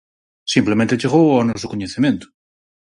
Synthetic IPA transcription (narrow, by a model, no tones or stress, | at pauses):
simplemẽnt̪et͡ʃeɣowanosokoɲeθemjẽnt̪ʊ̥